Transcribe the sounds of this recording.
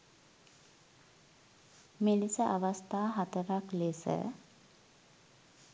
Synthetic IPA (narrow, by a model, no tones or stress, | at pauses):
milisəʔaʋast̪aːɦat̪əɾaklesə̰